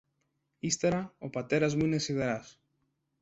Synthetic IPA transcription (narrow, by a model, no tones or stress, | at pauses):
ist̪eɾaopɐt̪e̞ɾɐzmuinesiðeɾas